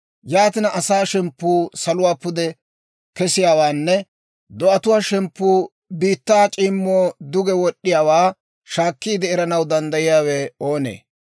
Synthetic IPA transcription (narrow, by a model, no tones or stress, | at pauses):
jaːt̪ɪnɐʔɐsaːʃɛmpːuːsɐlʊwaːpʊd̪ɛ | kɛsɪjaːwaːnːɛ | d̪ɔʔɐt̪ʊwaːʃɛmpːuː | biːt̪ːaːt͡ʃʼiːmːoːd̪ʊɡɛwɔɗːɪjaːwaː | ʃaːkːiːd̪ɛːɾɐnɐwd̪ɐnd̪ɐjɪjaːweːo̞ːnḛː